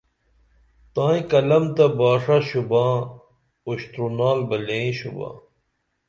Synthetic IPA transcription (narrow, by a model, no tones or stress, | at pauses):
t̪ãːĩkɐlɐmt̪ɐbaːʂaɕubãː | uɕt̪ɾunaːlbɐlẽːĩɕṵbã̰ː